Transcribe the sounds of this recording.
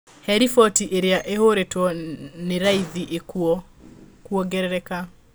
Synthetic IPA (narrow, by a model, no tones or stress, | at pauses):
hɛɾifɔtiʔeɾeaʔehoɾetwɔneɾaiðiʔekuɔ | kwɔɡɛɾɛɾɛka